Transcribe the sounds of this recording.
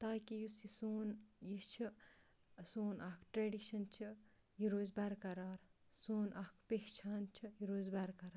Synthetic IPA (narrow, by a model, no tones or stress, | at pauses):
t̪aːkijusisoːnjit͡ʃʰi | soːnʔɐkʈɾeːɖiʃɐnt͡ʃʰi | jiɾoːzbɐɾkɐɾaːɾ | soːnʔɐkʰpekt͡ʃʰaːnt͡ʃʰijiɾoːzbɐɾkɐɾaɾ